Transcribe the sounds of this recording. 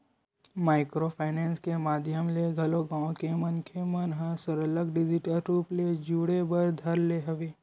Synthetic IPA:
maːɪkɾopʰaːnẽːnskemaːd̪ʱjəmleɡʱɐloɡãːõkemɐnkʰemɐnɦə̃sɐɾələɡɖɪd͡ʒɪʈəɾɾuːpled͡ʒuːɽebəɾd̪ʱɐɾleɦɐʋeː

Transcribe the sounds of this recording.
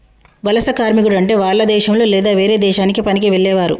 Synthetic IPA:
ʋɐlɐsɐkaːɾmikuɽuɐɳʈe̞ːʋaːɾlːɐd̪ɛːʃɐmlo̞ːlɛːd̪aːʋeːɾeːd̪ɛːʃaːnikipɐnikiʋeɭːɛːʋaːɾṵ

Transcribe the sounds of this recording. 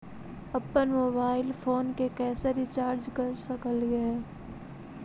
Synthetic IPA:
ɐpːənmoːbaːɪlfoːnkekɛːseɾɪt͡ʃaːɾd͡ʒkɐɾsɐkəlɡɐeː

